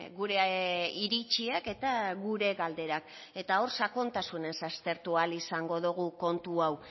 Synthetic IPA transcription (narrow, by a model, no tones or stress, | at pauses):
ɡuɾe̞iɾit͡ʃiake̞t̪aɡuɾe̞ɣald̪e̞ɾak | e̞t̪ao̞ɾsako̞nt̪asune̞nsast̪e̞ɾt̪ualisaŋɡo̞ðuɣ̞uko̞nt̪uaw